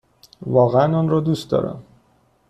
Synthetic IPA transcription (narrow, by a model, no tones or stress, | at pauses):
vɒːɣeænɒːnɾɒːd̪ust̪̚d̪ɒ̰ːɾæ̰m